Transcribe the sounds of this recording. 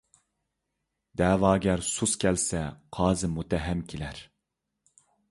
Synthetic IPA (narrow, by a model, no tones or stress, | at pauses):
d̪ɛːvɑːɡʲɛɾsuskʲʰɛlsɛqʰɑːzɨmut̪ɛɦɛmkʲʰelæɾ